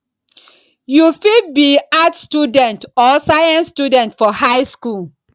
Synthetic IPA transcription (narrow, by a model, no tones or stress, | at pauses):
jufibiatstudɛ̃ntɔsajãnstudɛ̃ntfɔhaɪskul